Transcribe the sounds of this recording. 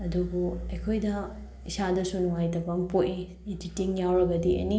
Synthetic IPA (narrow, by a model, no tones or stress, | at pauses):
ɐdubuɐjkʰojdɐ | isadɐsunuŋajtɐbɐŋpoʔi | ititiŋjawɾɐɡɐdiɐ̰ni